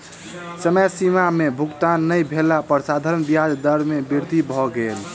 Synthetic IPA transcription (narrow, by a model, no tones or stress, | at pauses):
səməjsimamebʱukt̪anːəjbʱelapəɾsad̪ʱaɾənbijad͡ʒ̪d̪əɾmebiɾd̪ʱibʱɔɡel